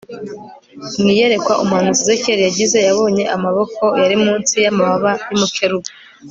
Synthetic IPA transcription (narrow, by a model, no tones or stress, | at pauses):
mŋiːje̞ɾe̞kwaʔumhanuzizeceɾijaɟize̞jaβo̞ːɲe̞ʔamaβo̞ko̞jaɾimuːnsijamaβaβajimukʰeɾuβe